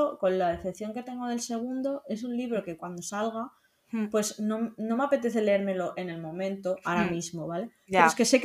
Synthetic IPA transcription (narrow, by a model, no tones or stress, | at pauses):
oko̞nlaðeθepθjo̞ŋke̞t̪e̞ŋɡo̞ðe̞lse̞ɣ̞und̪oe̞s̬unliβ̞ɾo̞ke̞kwand̪o̞salɣa | pwe̞snõnomeape̞t̪e̞θe̞le̞eɾme̞lo̞ʔe̞ne̞lmõ̞mẽ̞nt̪o̞aɾamizmo̞βale | peoekese̞k